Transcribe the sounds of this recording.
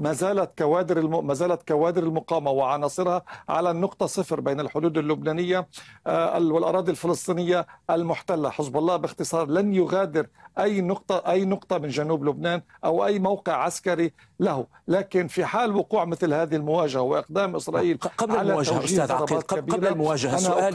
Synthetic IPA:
mazaːlat̪kawaːd̪ɪɾɪmazaːlat̪kawaːd̪ɪɾɪlmʊqɑːmawɪʕɑnɑːsˤɨɾhɑʕa̰lanʊqt̪ˤɑsɨfɾbeːnɪlħʊd̪uːd̪ɪlːʊbnaːnɪjːa | wɪlʔɑ̰ɾˤɑːd̪ˤilfɪlɨsˤt̪ˤiːnɪjːaʔalmʊħt̪alːaħɪsbɑlˤːɑːhbɪxt̪ɨsˤɑːɾˤlanjʊɣaːd̪ɪɾʔajːnʊqt̪ˤɑʔajːnʊqt̪ˤɑmɪnʒanuːblʊbnaːnʔawʔajːmawqɪʕʕaskaɾi | lahʊ | laːkɪnfiħaːlwʊquːʕmɪθlhaːðɪhɪlmʊwaːʒahawɪʔɪq̚d̪aːmʔɪsɾˤɑːʔiːlʕlalaaaiːɑɾˤɑːaːt̪kabːɾamʊwaːʒahʔanaʔːl

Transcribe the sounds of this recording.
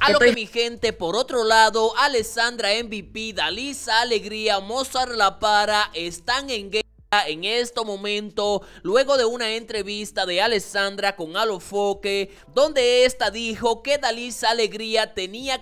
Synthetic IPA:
alokemixe̞nt̪e̞po̞ɾo̞t̪ɾo̞laðo̞ʔale̞sand̪ɾaembipiðalisaːle̞ɣɾiamosaɾlapaɾaʔe̞st̪aŋe̞ŋɡe | ae̞ŋe̞st̪o̞mõ̞mẽ̞nt̪o̞lwe̞ɣo̞ðe̞unae̞nt̪ɾe̞βist̪aðe̞ale̞sand̪ɾako̞ŋalo̞fo̞ke̞ | d̪o̞nd̪e̞est̪aðixo̞ke̞ðalisaːle̞ɣɾiat̪e̞nia

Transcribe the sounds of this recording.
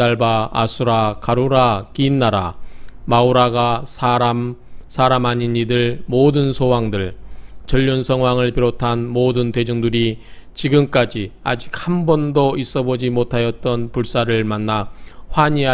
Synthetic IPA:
aɭba̰ːsʰuɾakaɾuɾakinːaɾa̰mauɾaɡasʰaɾamsʰaɾamaɲiɲidɯɭmodɯnsʰowaŋdɯɭt͡ɕʌʎːʌnsʰʌŋwaŋɯɭpiɾotʰanmodɯnte̞d͡ʑuŋdɯɾit͡ɕiɡɯmk͈ad͡ʑia̰d͡ʑik̚hambʌndois͈ʌbod͡ʑimotʰajʌt̚t͈ʌnpuɭs͈aɾɯɭmanːaɸwaɲia

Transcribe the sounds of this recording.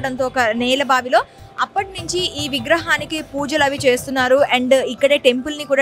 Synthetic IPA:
ɽɐnt̪o̞ːɔkɐnɛːlɐbaːʋilo̞ː | ɐpːɐʈinuɲt͡ʃiiːʋiɡɾɐɦaːnikipuːd͡ʒɐlɐʋit͡ʃe̞ːst̪unːaːɾueɳɖikːɐɽe̞ːʈe̞mpulnikuːɽaː

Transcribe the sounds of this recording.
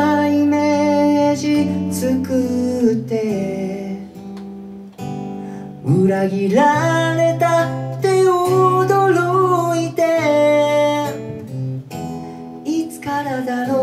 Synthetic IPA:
imeʑit͡sɨkɯt̪ːe̞ | ɯɾaɡʲiɾaɾe̞t̪at̪eod̪oɾoit̪e | it͡sɨ̥kaɾad̪ano

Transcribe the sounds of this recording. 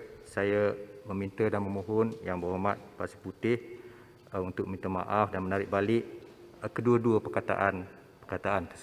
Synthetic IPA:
sajaməmint̪ədanməmoɦɔnjaŋbəɦomat̪̚pasi̥put̪ɪh | unt̪ʊk̚mint̪əma̰ʔafdanmənaɾɪk̚balɪʔkəduəduəpərkat̪a̰ʔan | pə̥rkat̪aʔant̪əs

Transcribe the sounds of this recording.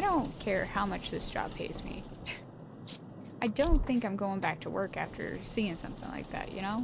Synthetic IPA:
aɪɾõʊ̃nkʰɛɹhaʊmʌt͡ʃðɪsd̥ʒ̥ɑ̰b̚pʰeɪzmḭ | ʔaɪdõʊ̃nθɪ̃ŋkãɪ̃mɡoʊɪ̃ŋbæk̚tʰəwɜ˞kæftʰə̰˞siɪ̃ŋsʌ̰̃mθɪ̰̃ŋla̰ɪk̚ðæ̰ʔ̚jɨ̰ñoʊ

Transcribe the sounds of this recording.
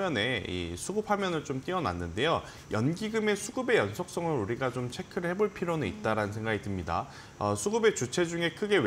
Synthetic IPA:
jʌne̞ḭsʰuɡɯp̚ʰhamjʌnɯɭt͡ɕ͈omt͈iʌna̰nːɯnde̞jo | jʌnɡiɡɯme̞sʰuɡɯbe̞jʌnsʰʌk̚s͈ʌŋɯɾuɾiɡat͡ɕomt͡ɕʰe̞kʰɯɾɭhe̞boɭpʰiɾonɯnḭt̚t͈aɾanɯnsʰeŋɡaɡitɯmɲida̰ | ʌsʰuɡɯbe̞t͡ɕut͡ɕʰe̞d͡ʑuŋe̞kʰɯɡe̞w

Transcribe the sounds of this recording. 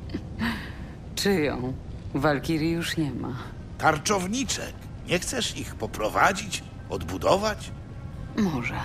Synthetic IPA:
t͡ʂɘjɔ̰̃w̃ | valkʲiɾʲijuʂɲɛma̰ | t̪aɾt͡ʂɔvɲit͡ʂɛ̰k | ɲɛxt̪sɛʂixpɔpɾɔvad͡ʑit͡ɕ | ɔd̪bud̪ɔvat͡ɕ | mɔʐɛ

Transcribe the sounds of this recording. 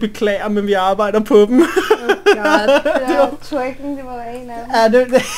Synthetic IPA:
b̥e̝kʰlɛ̰ːɐmenʋiɑ̈ːb̥ɑ̈ɪ̰d̥ɐpʰɒ̽d̥m̩ | t͡sʰeɡ̥ŋd̥eʋɑdenædede

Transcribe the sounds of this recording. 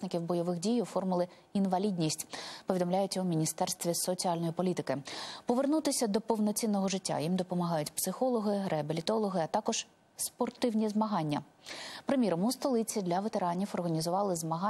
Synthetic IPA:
snɪkʲiwbɔjɔʋɪxdʲijʊfɔrmʊlˠɪ | inʋɐlʲidʲnʲisʲtʲpɔid̪ɔmlʲajʊt͡sʲɐʊmʲinʲist̪ɛrst̪ʋʲisɔt͡sʲiɑlʲnɔjipɔlʲit̪ɪkɪpɔʋernut̪ɪsʲɐd̪ɔpɔwnɔt͡sʲinːɔɦɔʒɪtʲːa̰jimd̪ɔpɔmɐɦɑjʊtʲpsɪxɔlˠɔɦɪɾeɐbelʲit̪ɔlˠɔɦɪɐt̪ɑkɔʒ̥ | spɔrt̪ɪwnʲizmɐɦɑnʲːɐ | pɾemʲiɾɔmust̪ɔlˠɪt͡sʲid̪lʲɐʋet̪e̞ɾɑnʲiwɔrɦɐnʲizʊʋɑlˠɪzmɐɦɑ

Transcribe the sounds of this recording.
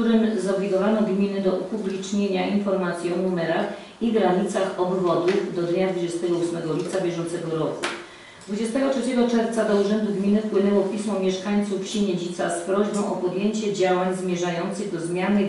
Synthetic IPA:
uɾɘmzɔbʲlʲiɡ̪ɔvanɔɡmʲinɘd̪ɔʔɔpublʲit͡ʂɲeɲaʔinfɔɾmat̪sʲjiɔnumɛɾax | iɡɾaɲit̪saxɔbvɔd̪uvd̪ɔd̪ɲad̪vud͡ʑɛst̪ɛɡɔusmɛɡɔlʲipt̪sabʲjɛʐɔnt̪sɛɡɔɾɔku | d̪vud͡ʑɛst̪ɛɡɔtʂɛt͡ɕɛɡɔt͡ʂɛɾft̪sad̪ɔuʐɛnd̪uɡmʲinɘfpwɘnɛwɔpʲismɔmʲjɛʂkaɲt̪sufɕiɲed͡ʑit̪saspɾɔʑbɔ̃w̃ʔɔpɔd̪jeɲt͡ɕɛd͡ʑawaɲzmʲjɛʐajɔnt̪sɘɣd̪ɔzmʲjanɘ

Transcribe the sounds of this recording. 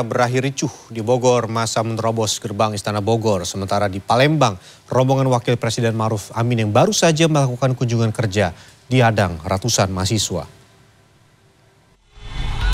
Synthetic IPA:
bəɾaɦiɾit͡ʃʊhdiboɡɔrmasamənt̪ɾɔbɔsɡərbaŋist̪anaboɡɔrsəmənt̪aɾadipalɛmbaŋ | rɔmbɔŋanwakɪlpɾesidɛnmaɾufamɪnjaŋbaɾusad͡ʒaməlakukankuɲd͡ʒuŋankərd͡ʒadiadaŋrat̪usanmas̬iswa̰

